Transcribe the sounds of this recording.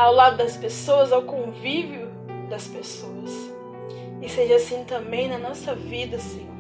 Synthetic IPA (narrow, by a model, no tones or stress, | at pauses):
awlad̪ʊd̪ɐspesoɐzawkõviviʊ | d̪ɐspesoɐs | ɪseʒɐasĩt̪ɐ̃bẽj̃nɐnɔsɐvid̪ɐsẽɲo